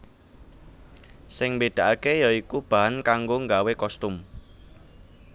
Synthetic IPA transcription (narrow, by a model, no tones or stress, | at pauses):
sɪŋmbeɖ̥a̤ʔakejɔikub̥a̤ankaŋɡoŋɡawekɔst̪ʊm